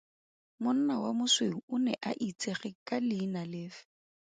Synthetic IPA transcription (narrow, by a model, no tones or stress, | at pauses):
mʊn̩nawamʊsweʊʊnɛʔaʔit͡sʼeχɪkʼalɪːnalɪːfɪ̥